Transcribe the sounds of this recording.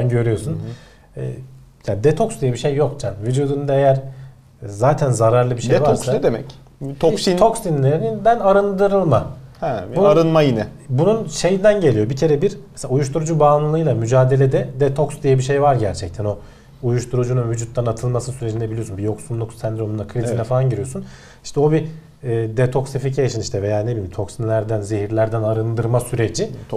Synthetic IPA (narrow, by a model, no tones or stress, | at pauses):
nɟø̞ɾyjo̞sun | ɛ̰ː | jad̪ɛt̪ʰo̞ksd̪ijɛbiʃe̞jːo̞k̚t͡ʃʰanvyd͡ʒuːd̪und̪aejæɾ | zaːt̪ʰænzaɾaɾlˠɯbiʃe̞jvaaɾssaɛd̪emɛc | t̪ʰoit̪ʰoksinlʲeɾinind̪ænaɾɯnd̪ɯɾɯlˠmahɛbunaɾɯnmajinɛ | bununʃe̞jind̪ænɟe̞lʲijo̞bicʰe̞ɾɛbiɾmeselaujuʃt̪ʰuɾud͡ʒubaːnlˠɯlˠɯjlˠamyd͡ʒaːd̪e̞lʲe̞d̪ɛd̪et̪ʰoksd̪ijɛbiʃejvaɾɟæɾt͡ʃʰɛc̚t̪ʰæno̞ | ujuʃt̪ʰuɾud͡ʒununvyd͡ʒut̪ʰːanat̪ʰɯlˠmasɯnsyɾe̞d͡ʒinebilijo̞sunbijo̞ksunlˠuksænd̪iɾonunakʰɾizinɛfalˠanɟiɾijo̞sun | i̥ʃt̪ɛo̞biː | d̪et̪ʰo̞kseficʰejʃɯniʃt̪ʰɛve̞jaːne̞bilʲimt̪ʰo̞ksinlʲæɾd̪ænzeɦiɾlʲæɾd̪ænaɾɯnd̪ɯɾmasyɾe̞d͡ʒi